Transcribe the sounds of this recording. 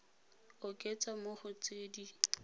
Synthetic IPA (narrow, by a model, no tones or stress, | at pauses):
ʊkʼet͡sʼamoχʊt͡sʼeːdi